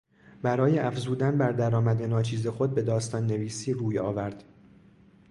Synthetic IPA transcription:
bæɾɒːjeæfzuːd̪ænbæɾd̪æɾɒːmæd̪enɒːt͡ʃʰiːze̞xo̞d̪̚be̞d̪ɒːst̪ɒːnːe̞viːsiːɾuːjɒ̰ːvæɾd̪̥

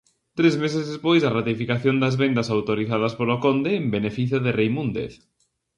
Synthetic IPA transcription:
t̪ɾezmesezðespojsɐrat̪ifikaθjond̪ɐzβend̪ɐsawt̪oɾiθaðɐspolokond̪eːmbenefiθjoðerejmũnd̪ḛθ

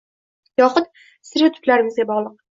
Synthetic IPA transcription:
jɒχʊt̪̚ | sɪɾɪt̪ʰʊ̥p̪laɾɪmɪzɡʲabɒʁlˠɨq̚

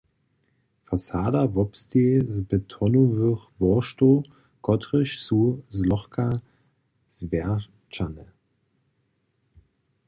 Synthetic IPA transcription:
fasaːdavɔpstezbətʰɔnovʏχvɔʃto | ɡ̥ɔtʁɪʃsuzlɔχkʰa | zvɛ | t͡ʃanə

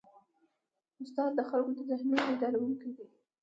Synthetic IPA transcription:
ʊst̪ɑd̪̚ːəxalkod̪əzahmjanbed̪ɑlawuŋkawi

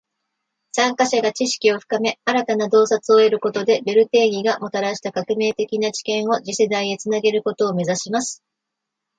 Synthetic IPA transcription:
sãŋkaɕaɡat͡ɕiɕi̥kʲio̞ɸɯ̟̥kame̞aɾat̪anad̪o̞ːsat͡sɨo̞e̞ɾɯ̟ko̞t̪o̞d̪e̞be̞ɾɯ̟t̪e̞ːɡʲiɡamo̞t̪aɾaɕi̥t̪akakɯ̟me̞ːt̪e̞kʲinat͡ɕi̥kẽ̞ɰ̃o̞ʑise̞d̪aiet͡sɨnaɡe̞ɾɯ̟ko̞t̪o̞ːme̞zaɕimasɨ̥

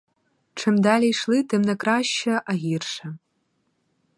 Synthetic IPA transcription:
ʈ͡ʂʰɨmd̪alʲejʂlˠɨt̪ʰɨmnɐkraɕːɐʔaɣʲirʂɐ

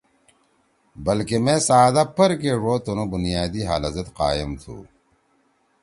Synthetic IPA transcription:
bɐlkemẽsaːd̪apʰɐɾkeʐoːt̪onobunijaːd̪iɦa̰ːlɐzɐt̪qa̰ːjemt̪ʰṵ

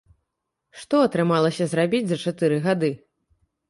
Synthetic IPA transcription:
ʂt̪ɔɐt̪ɾɨmalˠɐsʲɐzɾabʲid͡zʲzɐt͡ʂat̪ɨɾɨɣad̪ɨ

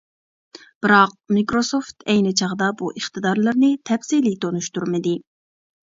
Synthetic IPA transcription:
b̥ɪɾɑq̚mikɾosoft̪ʰɛjnɪt͡ʃʰɑʁəd̪ɑbuʔəχt̪ɨd̪ɑɾlˠɨɾnɪt̪ʰɛpsilit̪ʰonuʃt̪uɾmɪd̪ɪ

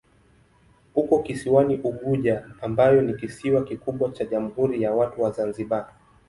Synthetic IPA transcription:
hukɔkisiwaniʔuɠuʄaːmbajɔnikisiwakikuɓwat͡ʃaʄam̩huɾijawatuwazanziɓa

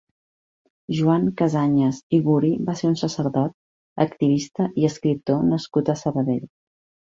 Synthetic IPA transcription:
ʒuaŋkəzaɲəziɣuɾibaseɾunsəsəɾðɔt̪̚ | ə̰kt̪iβ̞ist̪əʔiəskɾip̚t̪onəskut̪əsəβəðeʎ

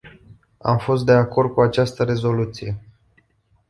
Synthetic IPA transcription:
a̰mfo̞s̬t̪̚d̪e̞ako̞rd̪̚kuat͡ʃast̪əɾe̞zo̞lut̪sije̞

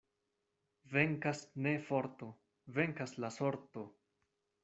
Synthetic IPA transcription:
ve̞ŋkasne̞fo̞ɾt̪o̞ | ve̞ŋkaslasoɾt̪o̞

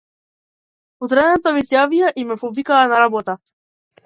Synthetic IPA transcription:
ut̪ɾɛd̪ɛnt̪amisjavijaʔimɛpɔvikaːnaɾabɔt̪a

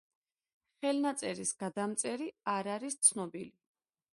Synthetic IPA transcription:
χɛlnat̪sʼɛɾisɡ̥ad̪amt̪sʼɛɾiaɾaɾist̪sʰnɔbili

